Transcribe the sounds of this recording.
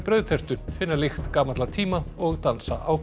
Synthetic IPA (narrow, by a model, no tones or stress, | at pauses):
pɾœɥðθɛr̥t̪ʏfɪnːalɪxt̪kaːmat̪lat̪ʰiːmaɔɣt̪ansa̰ʔaw